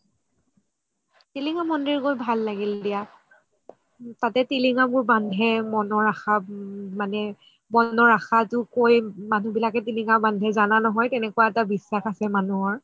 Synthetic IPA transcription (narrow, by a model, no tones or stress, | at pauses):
tiliŋamɔndiɹkojbʱalːaɡildija | tatɛtiliŋabʊɹbandʱɛmɔnɔɹaxamanɛ | mɔnɔɹaxatʊkojmanubilakɛtiliŋabandʱɛzananɔɦɔjtɛnɛkuwaɛtabisːaxasɛmanuɔɹ